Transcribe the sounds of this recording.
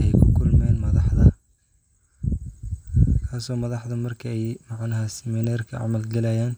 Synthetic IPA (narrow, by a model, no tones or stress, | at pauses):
ɛjkʰʊkʰʊlmɛːnmɐðɑħðɐ | kʰaːsɔːmɐðɑħðɐmɐrkʰɐɛjmɑʕnɐɦɐsɛmɪnaːrkʰɐʕɑ̰mɐlɡɐlɛjaːn